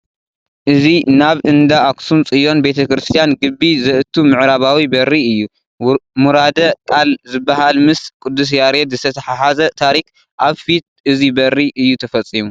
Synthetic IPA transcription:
ʔɨzinaβʔɨnd̪aaksunt͡sʼɨjo̞nbe̞t̪ʰɐkɾɨst̪ʰijanɡɨbːizɐʔɨt̪ʰːumɨʕɾaβawibɐɾːiɨjːu | muɾad̪ɐkʼalzɨbːaɦalmɨskʼud̪ːus̬jaɾet̪zɨt̪ʰɐt̪ʰɐħaħazɐt̪ʰaɾik | ʔaβfit̪̚ʔɨzibɐɾːiʔɨjːut̪ʰɐfɐt͡sʼːimu

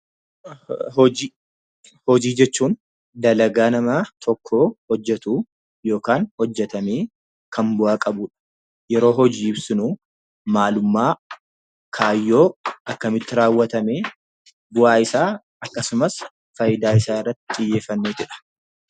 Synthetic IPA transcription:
hɔd͡ʒi | hɔd͡ʒiːd͡ʒɛt͡ʃːuːn | d̪ɐlɐɡaːnɐmɐt̪ʰɔkʰːoːhɔd͡ʒːɛt̪uː | jo̞ːkaːnhɔd͡ʒːɛt̪ɐmeː | kʰɐmbʊʔaːkʼɐbuːᶑɐ̥ | jɛɾo̞ːɦɔd͡ʒiːɪbsɪnuː | maːlʊmːaː | kʰaːjːo̞ːʔɐkːɐmɪt̪ːɪɾaːwːɐt̪ɐmeː | bʊʔaːɪsaː | ɐkːɐsʊmɐs | fɐjɪd̪aːɪsaːɪrːɐt̪ːɪ̥t̪ʼɪjːe̞ːfːɐnːeːt̪ɪᶑɐ̥

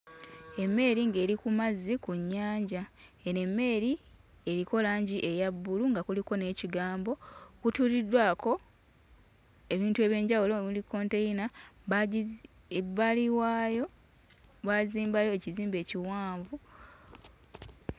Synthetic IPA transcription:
e̞mːe̞ɾiŋɡe̞ːɾikumazikuɲːaːɲɟa | eɾe̞mːe̞ːɾi | e̞ɾiko̞laːɲɟiʔe̞jabːuluŋɡakuliko̞ne̞ːciɡaːmbo̞kutuːlidːwaːko̞ | e̞βiːntue̞ːβje̞ːɲɟawuloβilikːo̞ːnte̞jina | βaliwa | βaziːmbajo̞eciziːmbe̞ːciwaːɱvu

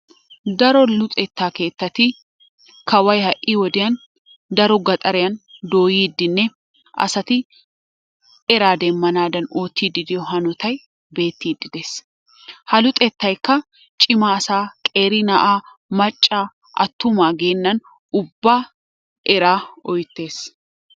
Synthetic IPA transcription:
d̪ɐɾɔlʊt̪ʼɛt̪ːaːke̞ːt̪ːɐt̪ɪ | kɐwɐjhɐʔʔiːwɔd̪ɪjɐn | d̪ɐɾɔɡɐt̪ʼɐɾɛjɐnd̪o̞ːjiːd̪ːɪnːɛ | ʔɐ̰sɐt̪ɪ | ɛɾaːd̪ɛmːɐnaːd̪ɐnoːt̪ʰːiːd̪ɪd̪ɪjɔɦɐnɔt̪ɐj | be̞ːt̪ːiːd̪ɪd̪es | hɐlʊt̪ʼɛt̪ːɐjkːɐ | t͡ʃʼɪmasaːkʼeːɾɪnɐʔaː | mɐt͡ʃʼːaː | ʔɐ̰t̪ːʊmaːɡeːnːɐn | ʔʊbːaː | ʔɛɾaːɔjt̪ːe̞ːs

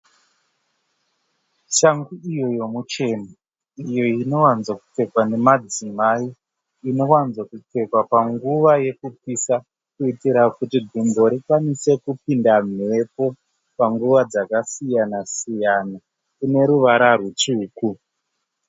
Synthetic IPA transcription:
ʃaŋɡuijo̞jo̞mut͡ʃe̞na | ijo̞ino̞wanzwaku̥p͡fe̞kwane̞mad͡zimai | ino̞wanzwakup͡fe̞kwapaŋɡuʋaje̞kupisa | kuitiɾakutiɡʱimbo̞ɾikwanise̞kupindame̞po̞ | paŋɡuʋad͡zakasijanasijana | kune̞ɾuʋaɾarut͡ʃuːku

